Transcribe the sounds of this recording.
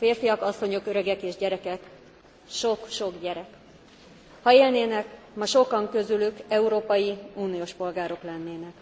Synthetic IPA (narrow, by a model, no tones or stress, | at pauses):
feːrfijɒkɒsːo̞ɲo̞køɾøɡɛkeːʒɟɛɾɛkɛk | ʃo̞kʃo̞ɡɟɛɾɛk | hɒeːlneːnɛk | mɒʃo̞kɒŋkø̞zylykɛuɾoːpɒjiuːnijoːʃpo̞lɡaːɾo̞klɛnːeːnɛk